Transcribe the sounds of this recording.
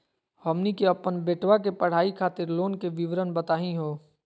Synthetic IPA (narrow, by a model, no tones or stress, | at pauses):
hɔːmnikeɐpːənbeːʈwakepɐɽ̤aːikʰaːt̪ɪɾloːnkeʋɪʋɾənbət̪aːɦĩɦoː